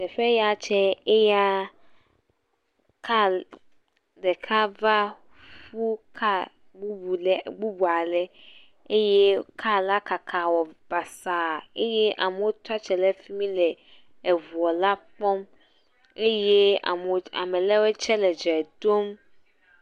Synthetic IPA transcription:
tɛ˨fɛ˦ja˨t͡ʃʰɛ˦e˦ja˦ | kʰa˦˨ | dɛ˨kʰa˦va˦ | fu˦kʰa˦ | ɡ͡bu˦bu˨˦ɡ͡bu˦bu˨a˨lɛ˦ | e˦je˦kʰa˦la˦ka˨kʰa˨wɔ˨b̥a˨sa˨e˦jɛ˦ʔa̰˨me˨wo˦t̪a˦t͡ʃɛ˨lɛ˦fi˦mĩ˦lɛ˨ | ɛ˨vu˨ɔ˨la˦pɔ˦m | e˦je˦a̰˨m˨a̰˨mɛ̃˨lɛ˦wɛ˦t͡ʃʰɛ˦lɛ˨d͡ʒɛ˨d̪o˦m

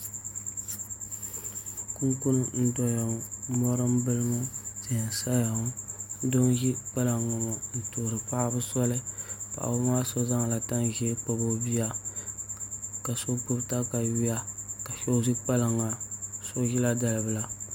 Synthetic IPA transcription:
ku˦ŋku˦nɨ˦n̩˦dɔ˦ja˨ŋ˨mɔ˦ɾɨ˦mbɨ˦lɨ˦ma˦z̥ɪ˨n˨sa˦ja˨ŋ˦do˦nʒi˦k͡pa˦la˨ŋːa˨ma˨n̩˨toː˨ɾɨ˨pa˦bɨ˦sɔ˦lɨ˦pa̰˨a̰˨bʊ˦ma˦so˦za˦ŋ˨la˨ta˦nʒɛ˦k͡pa˨bo˦bi˦ja˦ | ka˨so˦k͡pu˦ɾta˦ka˨wi˦ja˦ka˨ʃo˦zi˦k͡pa˦la˨ŋːa˨so˦ʒi˦la˦da˨lɨ˨bɨ˨la˨

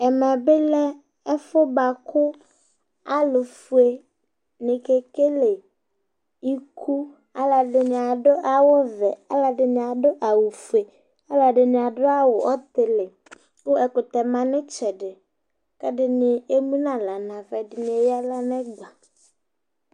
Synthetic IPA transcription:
ɛ˨mɛ˨bɪ˦lɛ˦ | ɛ˦fʊ˦ba˨kʰʊ˦ | a˦lʊ˨fu˨e˨ | nɪ̃˨ke˨ke˦le˨ | i˦kʰu˦ | a˦la˨dɪ˨nɪ̃˨a˨dʊ˦ʔa˨wʊ˦vɛ˨a˦la˨dɪ˨nɪ̃˨a˨dʊ˦ʔa˨wʊ˨fu˨e˨ | a˦la˨dɪ˨nɪ̃˨a˨dʊ˦a˦wʊ˨ʔɔ˦t̪ɪ˨lɪ˨ | ʊ˦ɛ˨kʊ˨t̪ɛ˨mã˨nɪ̃˦t͡ʃɛ˨dɪ˨ | kɛ˦dɪ˨nɪ˨e˦mũ˦nã˨la˨nã˨vɛ˨dɪ˨nɪ̃˨e˨ja˦la˦nɛ˦ɡ͡ba˨

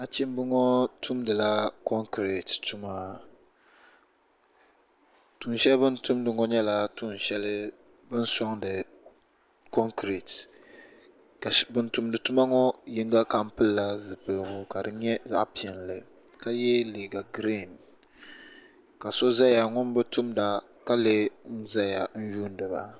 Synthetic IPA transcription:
na˦t͡ʃi˦m˦bɨ˦ŋɔ˦tʰu˦mdɨ˨la˦kɔ˦ŋkɾe˨ttu˦maː˦ | tu˨nʃɛ˦lbɨ˦ntu˦mdɨ˨ŋɔ˦ɲɛ˦la˨tu˦n˨ʃɛ˦lɨ˦ | bɨ˦n˦sɔ˦ŋdɨ˨ | kɔ˦ŋkɾe˨t | ka˨bɨ˦ntu˨mdɨ˨tu˦ma˦ŋɔ˦ji˦ŋɡa˦ka˦m̩˦pɨ˦lːa˦zɨ˨pɨ˨lɨ˨ɡʊ˨ka˨dɨ˦ɲɛ˦za̰˦ʔpi˨ɛ˨nlɨ˨ | ka˦jɛ˦li˨ɡa˨ɡɾi˦˨n | ka˨so˦za˦ja˨ŋʊ˦n˦bɨ˦tu˦mda˨ | ka˦le˦n̩˦za˦ja˨n̩˦juː˦n˦dɨ˨ba̰˨

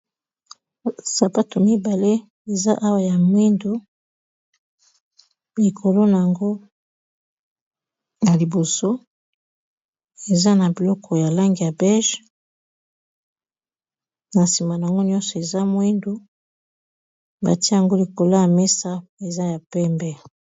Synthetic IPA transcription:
sa˨pa˦to˨mi˦ba˨le˦ | e˨za˦ʔa˦wa˨ja˨mwi˦ndo˦ | li˨kʰo˨lo˦na˨ja˨ŋɡo˦ | na˨li˨bo˨so˦ | e˨za˦na˨bi˨lɔ˦kʰɔ˨ja˨la˦ŋɡi˨ja˨bɛ˦ʒ | na˨si˨ma˨na˨a˨ŋɡo˦njɔ˦nsɔ˨e˨za˦mwi˦ndo˦ | ba̰˨ti˦ja˨ŋɡo˦li˨ko˨lo˦ja˨mɛ˦sa˦e˨za˦ja˨pɛ˦mbɛ˦

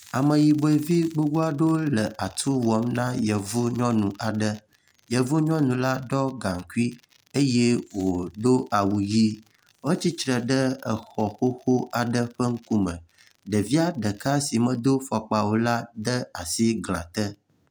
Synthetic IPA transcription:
a˨mə̃˨ji˨be˨vi˦ɡ͡bu˦wu˦a˦ɖo˦lə˨a˨t̪ʰu˦wɔ˨mnã˦jə˨vu˦ɲɔ̃˦nũ˨ʔa˨ɖə˦ | jə˨vu˦ɲɔ̃˦nũ˨la˦ɖɔ˦ɡã˨ŋ˨ku˦i˦ | e˦je˦wo˨do˦ʔa˨wu˨ji˦ | wo˦t͡ɕi˦t͡ʃɾə˨ɖə˦ə˨xɔ˨xo˦xo˦a˨ɖə˦ɸə˦ŋ̩˦ku˦mə̰̃˨ | ɖə˨vi˦a˦ɖə˨ka˦si˨mə̃˨d̪o˦fɔ˨k͡pa˨wo˦la˦ɖə˦a˨si˦ɡl̃ã̰˨t̪ə˦

